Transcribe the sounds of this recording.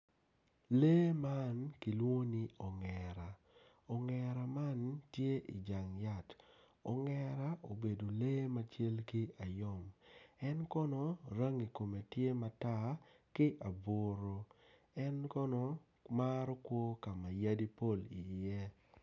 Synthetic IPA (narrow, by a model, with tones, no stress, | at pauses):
le˦ma˦nki˨lwo˦nɪ˦ɔ˨ŋɛ˨ɾa˨ | ɔ˨ŋɛ˨ɾa˨ma˦ntje˦ʔḭ˨d͡ʒa˨ŋja˦˨t | ɔ˨ŋɛ˨ɾa˦ʔo˨be˨do˨leː˦ma˦t͡ʃe˦lki˦a˨jɔ˦˨mɛ˦nkɔ˦nɔ˨ɾa˦ŋi˨ko˨me˨tje˦ma˨˦ta˦kɪ˦ʔa˨bo˨ɾo˨ | ɛ˦nkɔ˦nɔ˦ | ma˦ɾɔ˦kwo˦ka˨ma˨ja˦di˦po˦˨li˨jɛ˦